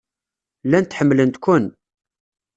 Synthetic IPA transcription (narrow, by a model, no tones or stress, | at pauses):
lænt̪ħəmːlənt̪kʷʊn